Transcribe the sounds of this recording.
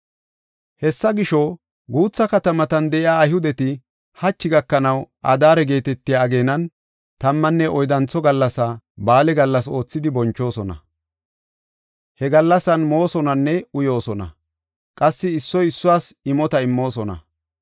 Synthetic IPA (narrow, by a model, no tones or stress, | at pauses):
hɛsːɐɡɪʃɔ | ɡuːt͡sːɐkɐt̪ɐmɐt̪ɐnd̪ɛʔɪaːjhʊd̪ɛt̪ɪ | hɐt͡ʃːɪɡɐkːɐnɐwʔɐ̰d̪aːɾɛɡe̞ːt̪ɛt̪ːɪjaːɡe̞ːnɐn | t̪ɐmːɐnːɛʔɔjd̪ɐnt͡sːɔɡɐlːɐsɐ | baːlɛɡɐlːɐso̞ːt͡sːɪd̪ɪbɔnt͡ʃːo̞ːsɔnɐ̰ | hɛɡɐlːɐsɐnmo̞ːsɔnɐnːɛʊjo̞ːsɔnɐ̰ | kʼɐsːɪɪsːɔjɪsːʊwaːsɪmɔt̪ɐɪmːo̞ːsɔnɐ̰